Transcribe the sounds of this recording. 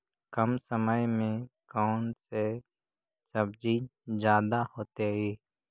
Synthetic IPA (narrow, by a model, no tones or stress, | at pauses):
kəmsəməjmẽkaːnse | səbd͡ʒizjaːd̪ahoːt̪eeː